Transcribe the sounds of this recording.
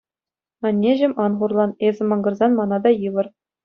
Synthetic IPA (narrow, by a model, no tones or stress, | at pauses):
ɑnʲːeʑɘ̆mʲɑnʁurlˠɑnezʲɘ̆mɑŋɡɤ̆rzɑnmɑnɑd̪ɑjɯʋɤ̆r